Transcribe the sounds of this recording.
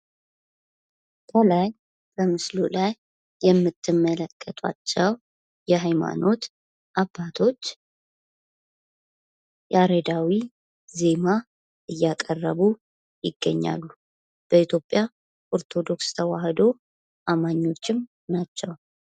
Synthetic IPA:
kʰəlaj | b̥əmɨslulajː | ɛmːɨt̪ʰːɨmːələkʼːət̪ʰʼa̰t͡ʃːɛw | jɛɦajma̰no̞t̪ | ʔabːat̪ʰo̞t͡ʃː | jaɾed̪awi | ze̞ma | ʔɨjːakʼərːəβu | jɪɡːə̰ɲːa̰lːu | b̥əit̪ʰjo̞pʼja | ʔoɾt̪ʰo̞d̪o̞kst̪ʰəwahd̪o̞ | ʔamaɲːo̞t͡ʃːɪm | nat͡ʃːɛw

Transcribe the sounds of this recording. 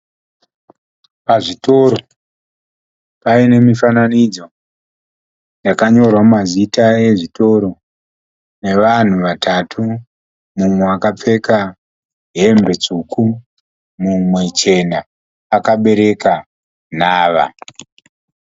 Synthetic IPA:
paʐito̞ɾo | paine̞mifananid͡zo̞ | nakaɲo̞rwamazitae̞ʐito̞ɾo̞ | ne̞ʋan̤uʋatʰatʰu | mumweakap͡fe̞ka | ɦe̞mbe̞t͡sukʰu | mumwe̞t͡ʃe̞naː | kaɓe̞ɾe̞ka | n̤aːʋa̰

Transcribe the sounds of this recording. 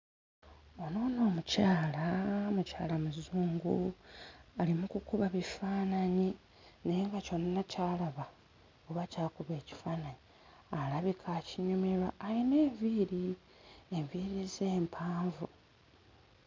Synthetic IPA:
o̞no̞ːno̞ːmucaːlamuca̰ːlamuzuːŋɡu | alimukukuβaβifaːnaɲi | neŋɡaco̞nanacaːlaβa | oβacaːkuβe̞ːci̥faːnaɲi | alaβikʰaːciɲumeɾaːjineːɱviːɾi | eɱviɾizeːmpʰaːɱvu

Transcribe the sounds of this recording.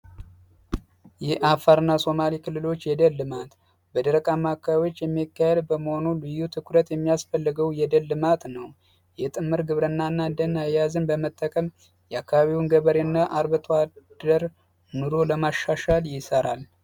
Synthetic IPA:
jɛʔafaɾɨnːaso̞malikʰɨlːɨlo̞t͡ʃːjɛd̪əlːɨmat̪ | bəd̪əɾəkʼamːakʰːaβio̞t͡ʃːjɛmːikːahed̪bəməho̞nulɨjːut̪ʰɨkʰɾət̪jɛmːijasfəlːɨɡəwjɛd̪əlːɨmat̪nəw | jɛt̪ʼɨmːɨɾɡɨβɾɨnːanːad̪ənajjazɨnbəmət̪ʼːəkʼəm | jɛakːaβaβiwnɡəβəɾenːaʔaɾβɨt̪ʰwad̪̥əɾ | nɨɾo̞ləmaʃːaʃaljɪsəɾal

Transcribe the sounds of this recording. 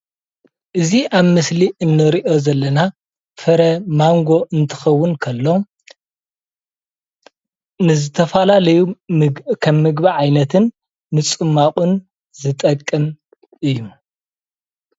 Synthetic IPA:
ʔɨziʔaβmɨsliʔɨnːɨɾiʔo̞zɐlːɐna | fɐɾɐmaŋɡo̞ʔɨnt̪ʰɨ̥xɐwːʊnkʰɐlːo̞ | nɨzɨt̪ʰɐfalalɐju | kʰɐmːɨɡbiʕajnɐt̪ʰɨnː | ɨt͡sʼɨmːaχʼun | zɨt̪ʼɐkʼːɐm | ʔɨjːu

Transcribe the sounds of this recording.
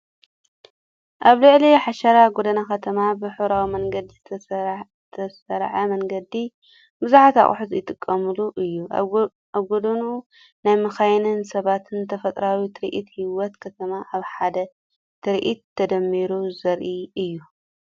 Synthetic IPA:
ʔaβlɨʕliħaʃɐɾaɡod̪ɐnakʰɐt̪ʰɐmabɨħɨβɾawimɐŋɡɐd̪iz | t̪ʰɐsɐɾʕamɐŋɡɐd̪i | bɨzuħat̪a̰χʼħut̪jɪt̪ʼɨkʼːɐmɨluʔɨjːu | aβɡod̪ɐnu | najmɨxajnɨnsɐβat̪ʰɨnt̪ʰɐfɐt̪ʼɾawit̪ʰɨɾʔḭt̪hiwɔt̪kʰɐt̪ʰɐmaʔaβħad̪ɐ | t̪ʰɨɾʔit̪ʰːɐd̪ɐmːiɾuzɐɾʔiɨjːu

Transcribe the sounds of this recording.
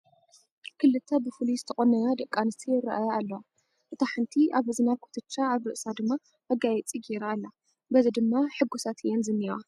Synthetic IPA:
kʰɨlːɨt̪ʰːɐbɨfɨlizɨt̪ʰɐxʼonɐjad̪ɐkʼːanɨst̪ʰiɨɾɐ̰ʔajalːowa | ʔɨt̪ʰaħɨnt̪ʰiʔaβhɨzɨnakʰot̪ʰɨt͡ʃːaːβɾɨʔsad̪ɨmːa | ʔɐɡajɛt͡sʼiɡiɾaːlːa | bɐzid̪ɨmːaħɨɡusat̪ʰjenzɨnːiwa

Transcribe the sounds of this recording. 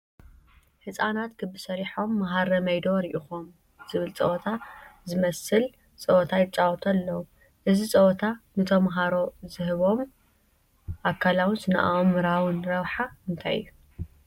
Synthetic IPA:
hɨsʼanat̪kʰɨbːɨsɐɾiħo̞mːaɦaɾɐmɐjd̪o̞ɾiʔixom | z̥ɨβɨlt͡sʼɐ̰ʔot̪ʰazɨmɐsɨl | t͡sʼɐʔot̪ʰajɪt͡sʼawɔt̪ʰɐlːɐwu | ʔɨzit͡sʼɐt̪ʰanɨt̪ʰomːaɦaɾo̞zɨhɨβo̞m | ʔakʰːalawɨnzɨna̰ʔa̰ʔomːɨɾawɨnɾɐβħaɨnt̪ʰajɨ̰jːu

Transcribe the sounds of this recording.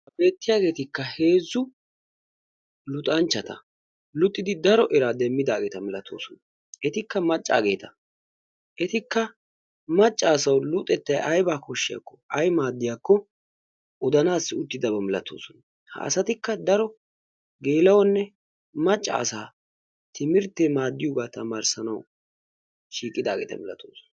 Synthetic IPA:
ɐbe̞ːt̪ːɪjaːɡe̞ːt̪ɪkːɐhe̞ːzːʊ | lʊt̪ʼɐnt͡ʃːɐt̪ɐ̰ | lʊt̪ʼːɪd̪ɪd̪ɐɾɔʔɛɾad̪ɛmːɪd̪aːɡe̞ːt̪ɐmɪlɐt̪ʰo̞ːsɔn | ɛt̪ɪkːɐmɐt͡ʃʼːa̰ːɡe̞ːt̪ɐ̥ | ʔɛt̪ɪkːɐ | mɐt͡ʃʼːaːsɐwlʊt̪ʼːɛt̪ːɐjʔɐjbaːkɔʃːɪja̰kːɔɐjmaːd̪ːɪjaːkːɔ | ʊd̪ɐnaːsːɪʊt̪ːɪd̪ɐbɐmɪlɐt̪oːsɔn | hɐ̰sɐt̪ɪkːɐd̪ɐɾɔ | ɡe̞ːlɐwɔnːɛ | mɐt͡ʃʼːɐ̰ːsaː | t̪ʰɪmɪɾt̪ːeːmaːd̪ːɪjʊːɡaːt̪ɐmaːɾsɐnɐw | ʃiːkʼːɪd̪aːɡeːt̪ɐ̰mɛlɐ̰t̪o̰ːsɔ̥n

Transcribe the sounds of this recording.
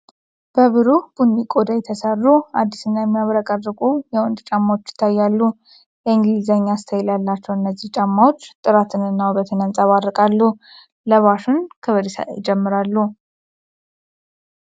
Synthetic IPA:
b̥əβɨɾub̥unikʼod̪ajt̪ʰəsərːuad̪ːi̥sɨnːajɛmːijaβɾakʼərːɨkʼujɛwɔnd̪t͡ʃʼamːawot͡ʃːjɪ̥t̪ʰːajːalːu | jɛɨŋɡlizaɲːast̪ʰəjɛljalːat͡ʃːɛwɨnːəzːiht͡ʃʼamːawo̞t͡ʃːt̪ʼɨɾat̪ʰɨnɨnːawubət̪ʰɨnansʼaβaɾɨkʼalːu | ləβaʃunkʰəβəɾisa̰ʔḛjɪd͡ʒɛmːɨɾalːu

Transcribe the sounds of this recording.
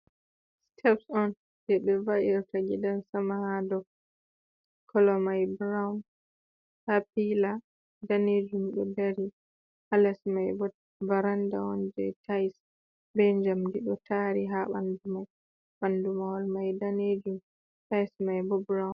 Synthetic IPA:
stʰɛpsɔn | dɛɓɛvaʔiɾtaɡɛdansamahadɔ | kʰɔlɔmajbɾan | hapila | daned͡ʒumɗɔdaɾi | halasmajbɔ | baɾanda̰wɔ̰nd͡ʒɛ̰tʰajs | bɛɲd͡ʒamdiɗɔtʰaɾiɦaɓa̰ndumaj | ɓandumawɔlmajdaned͡ʒum | tajsmajbɔbɾawn

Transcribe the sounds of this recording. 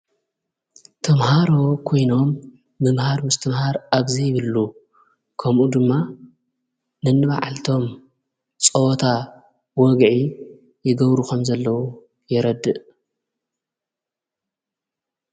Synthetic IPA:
t̪ʰɐmhaɾo̞kʰo̞jno̞mː | ɨmhaɾmɨst̪ʰɨmhaɾaβzijɪβɨlːu | kʰɐmʔud̪ɨmːa | nɨnːɨβa̰ʕalt̪ʰo̞m | t͡sʼɐt̪ʰa | wɔɡʕi | jɪɡɐβɾukʰɐmzɐlːɐwu | jɛɾɐd̪ːɨʔ

